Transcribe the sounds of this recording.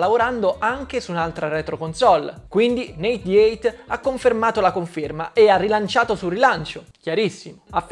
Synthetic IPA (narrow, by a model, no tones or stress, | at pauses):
lavoɾand̪oʔaŋk̟esunalt̪ɾaɾɛt̪ɾokonsɔlːkwind̪inejt̪̚d̪iɛjt̪akːoɱfermaːt̪olakoɱferma̰ʔearːilant͡ʃaːt̪osurːilant͡ʃokjaɾisːimoaf